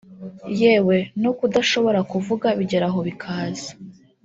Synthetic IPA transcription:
je̞ːwe̞nokudaʃo̞βo̞ɾakuvuɡaβiɟe̞ɾaɦo̞βikʰaːzḁ

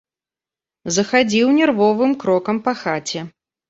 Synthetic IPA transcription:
zɐxad͡zʲiwnʲɛrvɔvɨmkɾɔkɐmpɐxat͡sʲɛ

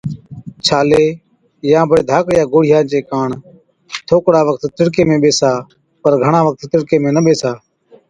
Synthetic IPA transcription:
t͡ʃʰaːleː | jãːbʱəeːd̪ʱaːkjaːɡoːɽ̤ɪjãːnt͡ʃeːkaːɳ | t̪ʰoːkɽaːʋək̚t̪ːɪɽkeːmẽːɓeːsaː | pəɾɡʱəɳãːʋək̚t̪ːɪɽkeːmẽːnəɓeːsaː

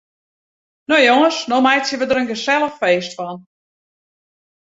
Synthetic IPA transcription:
nojoŋəsnomɛjtsjəʋədəɾənɡəsɛlˠəxfeːstfɔn

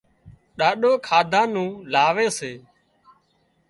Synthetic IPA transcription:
ɗaːɗoːkʰaːd̪ʱãːnũːlaːʋeːseː

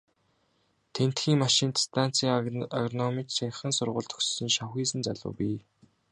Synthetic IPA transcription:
t̪ʰen̥t̪xiːŋmaʃĭnt̪st̪ʰan̥t͡siːŋaɣrnɔmit͡ɕsaχə̆nsʊrʁʊ̰ːɮt̪ʰɵ̥̆ksĭnʃaxiːsɘ̆nt͡saɮʊ̰ːpiː

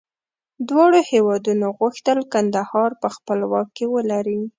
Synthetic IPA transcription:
d̪wɑɽohewɑd̪unoɣʊxt̪əlkand̪ahɑɾpəxpəlwɑkːewəlaɾi

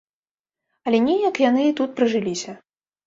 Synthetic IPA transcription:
ɐlʲɛnʲɛjɐkjanɨit̪ut̪̚pɾɨʐɨlʲisʲɐ

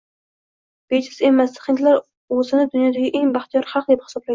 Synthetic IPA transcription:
b̥et͡ʃʰɪse̞masχɪnt̪laɾ | ozɪnɪd̪ʊnjɒd̪aɡʲɪʔe̞ŋbaχt̪ʰijɒɾχɑq̚d̪ep̚hɪ̥sɒblajɪ

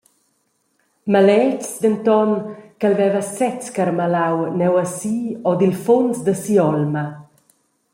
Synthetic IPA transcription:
malɛt͡ʃsd̪ənt̪ɔnkəlvɛvəsɛt͡skaɾmalawnɛwəsiɔd̪ilfonsd̪əsiɔlmə

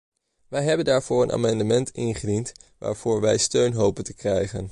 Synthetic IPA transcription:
ʋɛjɦɛbəndaːɹv̥ʊːrənʔa̰ːmɑndəmɛntɪnχədintʋa̰ːɹv̥ʊːɹʋɛjstøɥnɦowpəntəkrɛjχən

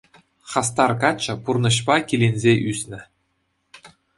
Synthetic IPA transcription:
χɑs̬t̪ɑrkɑt͡ɕːɤ̆purnɤ̆ɕpɑkʲilʲenʲzʲeʔysʲnʲɘ̆

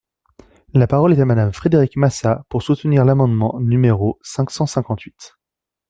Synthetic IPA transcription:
lapaʁɔlɛt̪amad̪amfχed̪eʁikmasapuʁsut̪niʁlamɑ̃d̪mɑ̃nymeʁosɛ̃ksɑ̃sɛ̃kɑ̃t̪ɥit̪

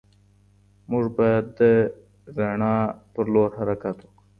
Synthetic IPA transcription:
mʊʐbɑjad̪ːə | ɾaɳɑpəɾloɾhaɾakat̪woku

